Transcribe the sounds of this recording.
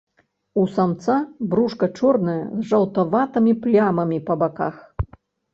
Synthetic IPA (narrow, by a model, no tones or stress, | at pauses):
usamt̪sabɾuʂkɐt͡ʂɔrnɐjɐ̰zʐɐwt̪avat̪ɐmʲiplʲamɐmʲipɐbaka̰x